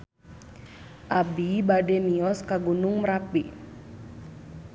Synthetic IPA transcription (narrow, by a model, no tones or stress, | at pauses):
ʔabibadɛmiɔskaɡunʊŋməɾapi